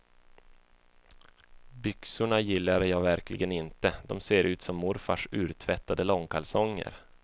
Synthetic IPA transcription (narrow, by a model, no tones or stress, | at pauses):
bʏksʊɳajɪlːaɖjɑːɡvæɾkʰlɪ̰ɡənɪnt̪əd̪ɔmseːɾʔʉ̟ːt̪sɔmːʊɾfa̰ʂʉ̟ːɾt̪ʰvɛt̪ːad̪əlɔŋkʰalsɔŋːə̰ɾ